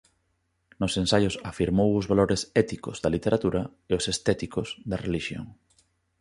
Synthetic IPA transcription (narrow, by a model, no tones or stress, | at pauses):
nʊsẽnsajʊsafiɾmowʊzβaloɾesɛt̪ikozðɐlit̪eɾat̪uɾɐ | eʊsest̪ɛt̪ikosd̪ɐreliʃjo̰ŋ